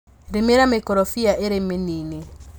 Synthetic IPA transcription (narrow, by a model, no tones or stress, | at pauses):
ɾemeɾamekɔɾɔfiaʔeɾemenini